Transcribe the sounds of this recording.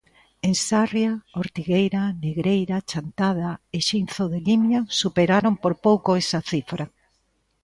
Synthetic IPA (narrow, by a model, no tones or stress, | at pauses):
eŋsarjaoɾt̪iɣejɾaneɣɾejɾat͡ʃant̪aðaeʃinθoðelimjasupeɾaɾompoɾpowkoesaθifɾa